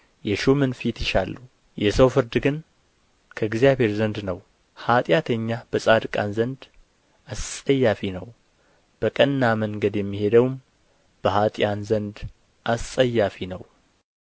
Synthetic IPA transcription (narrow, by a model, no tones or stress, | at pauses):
jɛʃumɨnfit̪jɪʃalːu | jɛsəwfɨɾd̪ɨɡɨn | kʰəɡzijaβhe̞ɾzənd̪nəw | hat̪ʼjat̪ʰəɲːab̥əsʼad̪kʼanzənd̪ | ʔast̪ʼəjːafinəw | b̥əkʼənːaməŋɡəd̪jɛmːihe̞d̪əwm | b̥əhat̪ʼjanzənd̪ | ʔast̪ʼːəjːafinəw